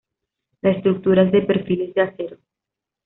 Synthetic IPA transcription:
leest̪ɾuk̚t̪uɾazðepeɾfilezðeaseɾo

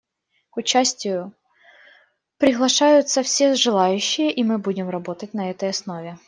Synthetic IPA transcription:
kʊt͡ɕasʲtʲɪjʊ | pɾʲɪɣlˠɐʂajʊt̪sɐfsʲezʐɨlˠajʉɕːɪjəʔimɨbudʲɪmrɐbot̪ɐt̚ʲnɐɛt̪ɐjɐsnovʲɪ

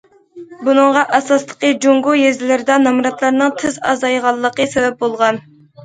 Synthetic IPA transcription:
bunɨŋʁɑʔɑsɑslˠə̥qəd͡ʒoŋɡujezɪlɪɾɪd̪ɑnɑmɾɑt̪lˠɑɾnɨŋt̪ʰɨzɑ̰zɑjʁɑlˠːəqəsevɛp̚bolˠʁɑn

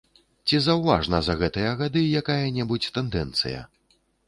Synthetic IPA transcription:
t͡sʲizɐwva̰ʐnɐzɐɣɛt̪ɨjɐɣad̪ɨjakajɐnʲɛbut͡sʲt̪ɛnd̪ɛnt̪sɨ̰jɐ̰

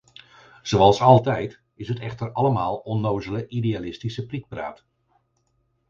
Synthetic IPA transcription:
z̥owɑlˠsɑlˠtɛjt | ɪsɦətɛχtərɑləmaːlˠɔnːowzələʔideaːlɪstisəprik̚pra̰ːt

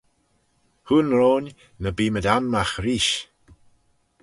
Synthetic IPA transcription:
huːnɾoːnʲ | nəbiːmədamːaxɾiːʃ

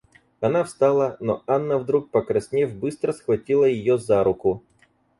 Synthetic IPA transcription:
ɐnafst̪alˠənoanːəvd̪ɾuk̚pəkɾɐsʲnʲevʲbɨst̪ɾəsxvɐtʲilˠəjɪjozaɾʊkʊ

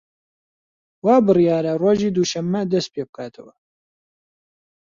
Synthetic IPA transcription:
waːbɨrijaːɾɐroːʒiːd̪uːʃɐmːɐd̪ɐst̪̚peːbɨkʰaːt̪ʰɐwɐ

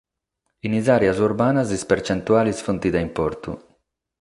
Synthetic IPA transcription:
inizaːɾjazuɾbaːnazispɛɾt͡ʃɛnt̪uaːlisfɔnt̪id̪aimpɔɾt̪ṵ

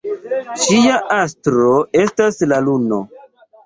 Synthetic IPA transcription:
ʃiaʔastɾoe̞staslaluno̰

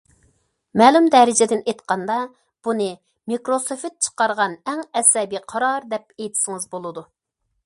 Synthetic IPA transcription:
mɛːlumd̪ɛɾɪd͡ʒɪd̪ɪnet̪qɑnd̪ɑ | b̥unɨ | mikɾosofɪt̪̚t͡ʃʰə̥qɑɾʁɑnɛŋɛsɛbiqʰɑɾɑɾd̪ɛp̚ejt̪ʰɪ̥sɪŋɨzbolˠɨd̪u

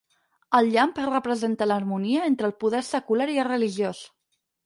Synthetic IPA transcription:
əlˠʎamprəpɾəzent̪ələːɾmuniəent̪ɾəːlˠpuðɛɾsəkulaɾiəlrəliʒjos

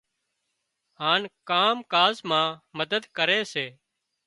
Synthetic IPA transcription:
ɦaːnkaːmkaːzmãːməd̪əd̪kəɾeːseː

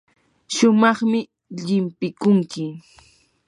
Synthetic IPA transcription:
ʃʊmɑχmɪ | ʎɪmpɪkʊŋkɪ

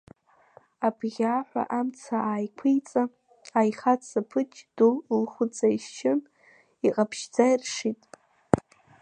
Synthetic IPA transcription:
abʰɣʲaːħʷa̰ʔamt͡sʰaaːjkʷʰijt͡sʼa | ajχat͡sʰapʰɨt͡ʃʰʼd̥ullχʷʊt͡sʼajʃt͡ʃʰɪn | iqʼapʰʃd͡zairʂitʼ

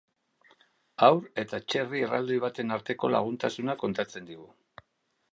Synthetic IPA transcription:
awɾe̞t̪at͡ʃe̞riera̰ld̪iβ̞at̪e̞naɾt̪e̞ko̞la̰ɣ̞unt̪asunako̞nt̪at͡se̞nd̪iɣu

